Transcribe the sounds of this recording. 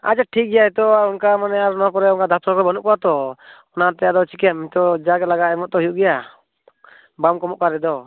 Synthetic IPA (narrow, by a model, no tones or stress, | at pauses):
a̰d͡ʒaʈʰik̚ɡɛjaɛt̪ɔaunkamanɛaɾnɔkɔɾɛunkad̪at̪ʰɔɾkɔɾɛbɔnuʔkɔwat̪ɔɔnat̪ɛjad̪ɔt͡ʃʰikɛamit̪ɔd͡ʒaɡɛt̪laɡaɛmɔʔ̚t̪ɔɦijuʔɡɛja | bamkɔmɔʔkaɾɛd̪ɔ